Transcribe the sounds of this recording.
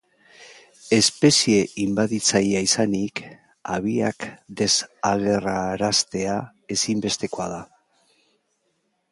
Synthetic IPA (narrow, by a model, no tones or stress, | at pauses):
e̞spe̞sie̞imbaðit͡sajaisanik | a̰β̞ia̰kd̪e̞saɣ̞e̞raɾast̪e̞a | e̞simbe̞st̪e̞ko̞aða